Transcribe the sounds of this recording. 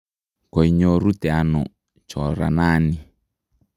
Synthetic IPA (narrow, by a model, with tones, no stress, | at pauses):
kɔ˨i˨ɲɔ˦ɾu˦tɛ˨a˨nɔ̰˨ | t͡ʃɔ˨ɾa̰˨naː˦ni˨